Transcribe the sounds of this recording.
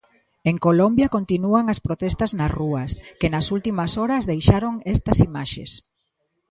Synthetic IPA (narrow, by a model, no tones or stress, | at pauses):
eŋkolombjɐkont̪inuɐŋɐspɾot̪ɛst̪ɐznɐsruɐskenɐsult̪imɐsoɾɐzðejʃaɾoŋɛst̪ɐsimaʃḛs